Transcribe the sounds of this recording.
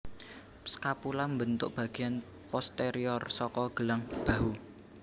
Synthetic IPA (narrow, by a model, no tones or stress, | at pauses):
skapulambənt̪ʊ̰ʔb̥ä̤ɡ̥i̤jan | pɔst̪eɾiɔrsɔkɔɡ̥əlaŋb̥a̤ɦu